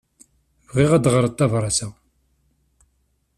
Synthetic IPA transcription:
vʁiʁæd̪ʁəɾət̪ˤːɑvɾˤɑsæ

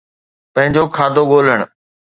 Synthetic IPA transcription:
pə̃ɦɪ̃ɲd͡ʑoːkʰaːd̪ʱoɠoːləɽ̃

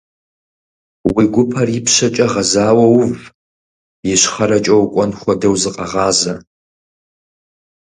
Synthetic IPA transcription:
wiɡʷʊpʰɐrɪpʰɕɐt͡ʃʼɐʁɐzaːwɐwʊv | jɪɕχɐɾɐt͡ʃʼɐwkʷʼɔnχʷɔdɐwzɨqʼɐʁɑːzɐ

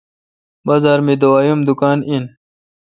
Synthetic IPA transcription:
bɐzaːɾmid̪uwaːjumd̪ukaːnin

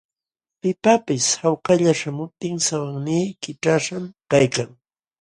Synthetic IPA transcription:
pɪpapɪshawqɑʎaʃamʊp̚t̪ɪŋsawaŋniːkɪʈ͡ʂaʂamkajkaŋ

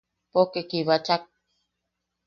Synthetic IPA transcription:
pokekiβat͡ʃak̚

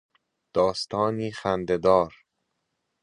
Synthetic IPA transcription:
d̪̥ɒːst̪ʰɒːniːxænd̪ed̪ɒːɾ

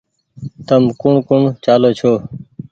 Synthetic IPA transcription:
t̪əmkʊɳkʊɳt͡ʃaːloːt͡ʃʰoː

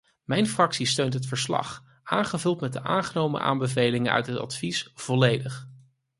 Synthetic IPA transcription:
mɛjnfrɑksistøɥntɦətfəɹslɑ̰χ | ʔaːnχəvɵlˠtmɛt̚dəʔaːŋχənowmə̰ʔa̰ːmbəvejlɪŋənœ̰ɥtɦətɑ̰tfisv̥ɔlejdəχ

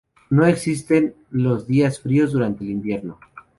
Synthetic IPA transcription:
no̞e̞ksist̪e̞n | lo̞zðiasfɾio̞zðuɾant̪eːlimbje̞ɾno̞

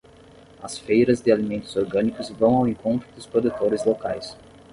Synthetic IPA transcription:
ɐsfejɾɐzd̪ɪalimẽnt̪ʊzoɾɡɐ̃nikʊzvɐ̃w̃awẽŋkõnt̪ɾʊd̪ʊspɾod̪ut̪oɾɪzlokajs

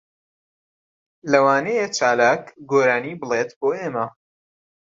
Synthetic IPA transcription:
lɐwaːnejet͡ʃaːlaːkɡoːɾaːniːbɨlˠet̪boːeːmɐ

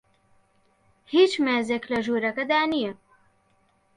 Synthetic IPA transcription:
hiːt͡ʃmeːzeːklɐʒuːɾɐkɐd̪aːnijɛ

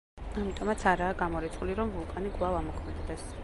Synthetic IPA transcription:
amit̪ʼɔmat̪sʰaɾaːɡamɔɾit̪sʰχuliɾɔmvulˠkʼaniɡʼlˠavamɔkʰmɛd̪d̪ɛs

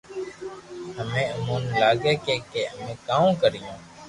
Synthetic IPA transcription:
ɦəmẽːəmõːnlaːɡeːkeːkeːəmẽːkaːõːkəɾɪjõː

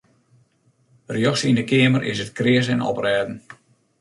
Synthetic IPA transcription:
rjɔksindəkɪəmərʔɪ̰sətkrɪəzɛnɔ̰prɛːdn̩

